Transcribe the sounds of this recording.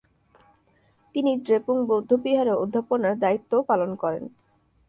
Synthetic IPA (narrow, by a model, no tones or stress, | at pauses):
t̪inidɾepuŋbod̪ʱːopiɦaɾeod̪ʱːaponaɾd̪ait̪ːopalonkɔɾḛn